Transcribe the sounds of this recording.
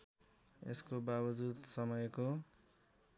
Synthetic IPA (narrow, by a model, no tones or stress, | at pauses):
ḛskobabʌd͡zud̪sʌmʌjko